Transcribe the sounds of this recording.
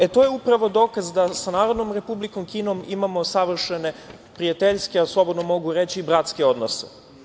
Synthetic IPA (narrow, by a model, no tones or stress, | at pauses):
et̪ojeupɾaʋo̞d̪o̞ːkazd̪asanaːɾod̪no̞mɾe̞publiko̞mkiːno̞mimamo̞saʋr̩ʃene̞ | pɾijat̪eʎskeaslˠo̞bo̞d̪nomo̞ɡuɾet͡ɕiːbɾat̪ske̞o̞d̪nose